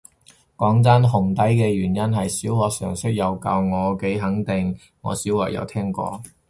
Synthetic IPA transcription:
kɔː˨˥ŋt͡sɐ˥nɦʊ˨˩ŋt̪ɐ˨˥jkɛː˧jyː˨˩njɐ˥nɦɐ˨jsiː˨˥whɔː˧k̚sœː˨˩ŋsɵ˥k̚jɐ˨wkɐ̰˧wŋɔː˨˧ke˨˥jɦɐ˨˥ŋt̪ɪ˨ŋ | ŋɔ̰ː˨˧siː˨˥wlɔː˨˩jɐ̰˨˧wt̪ʰɛː˥ŋkɔ̰ː˧

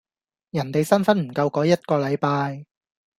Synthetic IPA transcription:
jɐ˨˩nt̪e˨jsɐ˥nfɐ˥nm̩˨˩kɐ˧wkɔː˨˥jɐ˥t̚kɔː˧lɐ˨˧jpaː˧j

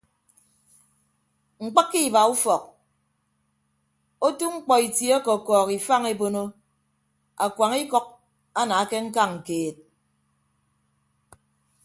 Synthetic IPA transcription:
ŋ͡m̩˨k͡pɨ˦kːi˦˨ba˨u˦fɔ˨k̚ | o˦tu˦ŋ͡m̩˦k͡pɔ˨i˨tje˨˦ɔ˦kɔ˨kɔː˨ki˨fa˦ŋe˦bo˦no˦ | a˨kwa˨ŋi˦kɔ˦k̚ | a˦na˨a˦ke˦ŋ̩˦ka˦ŋ̩˨keː˨t̚

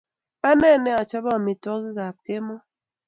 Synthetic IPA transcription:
a˦nɛ˦˨nɛ˦a˨t͡ʃa˦bɔ˦˨mi˨tɔ˦ki˦ɣa˨p̚ke˦mɔ˦

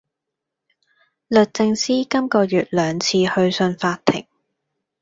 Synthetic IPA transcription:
lɵ˨t̚t͡sɪ˧ŋsiː˥kɐ˥mkɔː˧jyː˨t̚lœː˨˧ŋt͡sʰiː˧hɵ˧ɥsɵ˧nfaː˧t̪ʰːɪ̰˨˩ŋ

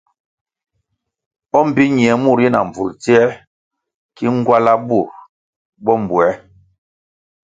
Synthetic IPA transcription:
ɔ˦m̩˨bi˦ɲi˨ɛ˨˦mu˦˨ɾji˦na̰˨ɱ˨vṵ˨lti˦ɛ˦ | ki˦ŋ˦ɡwa˦la˦bu˦˨ɾ | bɔ˦m˨bwɛ˨˦

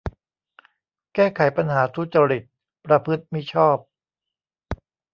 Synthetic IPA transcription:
kɛː˥˩kʰa˨˩˦jpa˧nɦaː˩˦t̪ʰu˦˥t͡ɕa˧ɾi˨˩t̪̚ | pɾa˧pʰɯ˦˥t̪̚mi˦˥˩t͡ɕʰɔː˥˩p̚

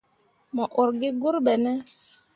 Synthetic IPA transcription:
mɔ˨ʔo˨ɾɡɪ˦ɡu˦ɾɓɛ˨nɛ˦

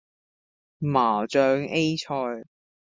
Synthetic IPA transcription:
maː˨˩t͡ʃœː˨˧ŋe˥jt͡ʃʰɔː˧j

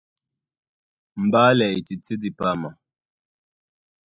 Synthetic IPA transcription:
m̩˨ba˦lɛ˨ti˨t͡si˦di˨pa˦ma˨

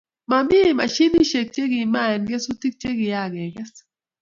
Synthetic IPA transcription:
ma˨mbi˦˨ma̰˨ʃi˦ni˦ʃe˨k̚t͡ʃe˦ɡi˨ma˦ɛ˨nɡɛ˦su˦ti˦k̚t͡ʃe˦ɡɪ˨ja˦˨ɡɛ˨ɡɛ˦s

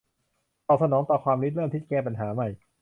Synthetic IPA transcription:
t̪ɔː˨˩sa˧nɔː˩˦ŋt̪ɔː˨˩kʰwaː˧mli˦˥t̪̚ɾɤː˥˩˨mt̪iː˥˩kɛː˥˩pa˧nɦaː˩˦ma˨˩j

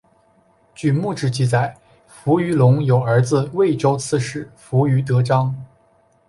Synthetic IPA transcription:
t͡ɕy˥˧mu˥˧˩ʈ͡ʂɻ̩˥˩t͡ɕi˥˧t͡sa˨˩ɪ | fu˧˥y˧˥lʊ˧˥ŋjo˨˩ʊə˞˧˥d͡zɹ̩˧we˥˩ɪʈ͡ʂo˥ʊt͡sʰɹ̩˥˧ʂɻ̩˥˩fu˧˥y˧˥t̪̬ɤ˧˥ʈ͡ʂɑ˥ŋ

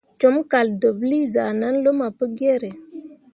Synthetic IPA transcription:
t͡ʃo˨˦mka˨ldo˨bli˦za˨na˦nlo˦ma˨pə˦ɡe˦ɾe˨

